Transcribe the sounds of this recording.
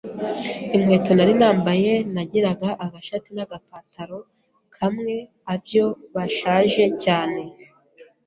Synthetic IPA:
imŋe̞ːto̞naɾinaːmbaje̞naɟiɾaɡaʔaɡaʃatinaɡapaːtʰaɾo̞ | kʰamŋe̞ | abjo̞βaʃaːʒe̞caːne̞

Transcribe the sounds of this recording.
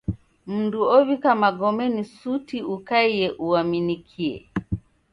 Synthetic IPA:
m̩nduɔvikamaɡɔmɛnisutiukaiɛʔuaminikʰiɛ̰

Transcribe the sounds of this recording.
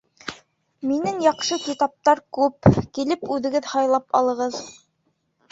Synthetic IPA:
minɘŋjɑqʃɤkʲit̪ɑp̚t̪ɑɾkʉpkilɘpʉðɘ̆ɡɘðhɑjlˠɑpɑ̰lˠɤ̆ʁɤð

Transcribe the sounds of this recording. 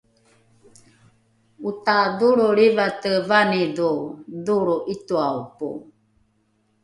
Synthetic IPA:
ut̪aduɾuɾiβat̪əvaniduduɾuʔit̪uaupṵ

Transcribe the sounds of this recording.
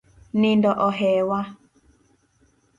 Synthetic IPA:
nɪndɔʔɔɦɛwa

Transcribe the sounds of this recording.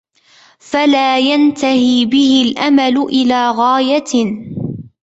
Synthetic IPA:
falaːjant̪ahiːbɪhɪlʔamalʊʔɪlaːɣaːja

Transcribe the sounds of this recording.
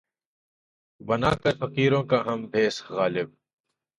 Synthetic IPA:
bɐnaːkɐɾfɐqiːɾõːkaɦɐmbʱeːsɣaːlɪb̚

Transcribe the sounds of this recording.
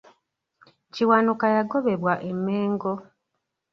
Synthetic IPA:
ciwanukajaɡo̞βe̞βwaʔemːeːŋɡo

